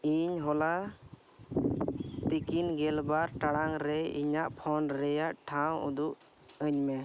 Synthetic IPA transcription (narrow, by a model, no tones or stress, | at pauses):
iɲɦɔla | t̪ikinɡɛlbaɾʈaɽaŋɾɛḭɲaʔpʰɔnɾɛjaʔʈʰawṵd̪uʔ | əɲmɛ